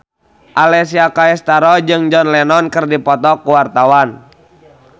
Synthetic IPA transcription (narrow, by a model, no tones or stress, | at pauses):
ʔalɛsiakaɛst̪aɾɔd͡ʒɨŋd͡ʒɔnlɛnɔnkərdipɔt̪ɔkuwart̪awan